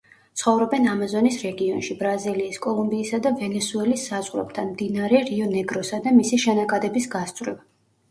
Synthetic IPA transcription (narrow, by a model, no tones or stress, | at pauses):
t̪sʰχɔvɾɔbɛnamazɔnisɾɛɡiɔnʃibɾaziliːskʼɔlˠumbiːsad̪avɛnɛsuɛlisːazʁɾɛ̰b̚t̪ʰanmd̪inaɾɛɾiɔnɛɡɾɔsad̪amisiʃɛnakʼad̪ɛbisɡast̪sʼɾɛva